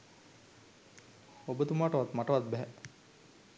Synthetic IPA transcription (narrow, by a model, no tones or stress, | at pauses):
obət̪umaːʈəʋat̪maʈəʋat̪̚bɛɦɛ